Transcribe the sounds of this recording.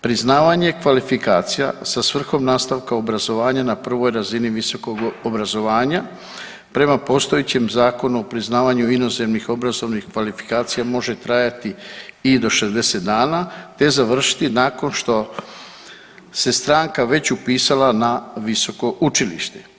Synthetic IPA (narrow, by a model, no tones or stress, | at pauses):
pɾiznaːʋaɲe̞kʋalifikaːt̪sija̰sasʋr̩xo̞mnaːst̪aʋkaobɾazo̞ʋaːɲanapr̩ʋo̞jɾaziniʋiso̞ko̞ɡobɾazo̞ʋaːɲa | pɾe̞mapo̞ːst̪o̞jet͡ɕe̞mzaːko̞nuo̞pɾiznaːʋaɲuino̞ze̞mnixo̞bɾazo̞ʋnixkʋalifi̥kaːt̪sijamo̞ʒe̞t̪ɾajat̪iid̪o̞ʃe̞zd̪e̞se̞t̪d̪aːnat̪e̞zaʋr̩ʃi̥t̪inaːko̞nʃt̪o̞ | se̞st̪ɾaːŋkaʋe̞t͡ɕupiːsalanaʋiso̞ko̞ʔut͡ʃilḭʃt̪e